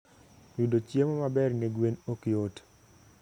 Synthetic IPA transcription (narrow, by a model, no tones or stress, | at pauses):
wudot͡ʃjemɔmabɛrŋeɡwenokɪot